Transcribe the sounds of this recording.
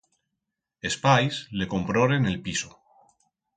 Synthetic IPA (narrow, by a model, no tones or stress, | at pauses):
espajsle̞ko̞mpɾoɾene̞lpiso